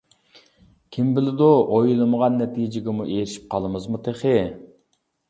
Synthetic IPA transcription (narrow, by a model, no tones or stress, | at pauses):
kʲʰimbɪlɪd̪uojlˠɨməʁɑnːɛt̪ʰid͡ʒɪɡʲɛmuʔeɾɪʃi̥p̚qʰɑlˠɨmɨzmut̪ʰeχɪ